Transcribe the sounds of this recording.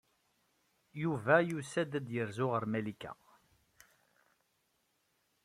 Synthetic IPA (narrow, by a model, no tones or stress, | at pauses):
juvæjusæd̪æd̪jəɾzʊʁəɾmælikːæ̰